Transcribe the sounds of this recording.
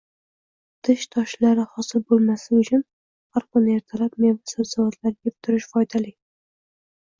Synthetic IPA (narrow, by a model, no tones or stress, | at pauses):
t̪ʰɪʃt̪ʰɒʃlaɾɪhɒsɪlbolˠmasɪʊt͡ʃʰʊn | haɾqʊne̞ɾt̪ʰalap̚mevasazavat̪ʰlaɾɡʲep̚t̪ʰʊɾɪʃfɒjd̪alɪ